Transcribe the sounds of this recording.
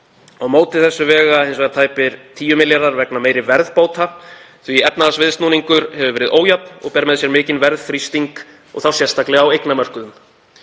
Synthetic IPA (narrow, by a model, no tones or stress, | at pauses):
awmoːwt̪ɪ̥θɛsːʏvɛːɣaejnsvɛɣðat̪ʰaːjpɪɾ̥t̪ʰiːjʏmɪljaɾaɾvɛknameːjɾɪvɛɾðpoːwt̪ʰa | θviɛpnaðasvɪðst̪nuːniŋkʏɾhɛvʏvɛːɾɪðʔoːwjapnɔ̰ɣpɛɾmɛðsjɛɾmɪːcɪnvɛɾðθɾist̪iŋk | ɔ̰ɣθawsjɛr̥st̪aklɛɣawejknamœr̥kʏðʏm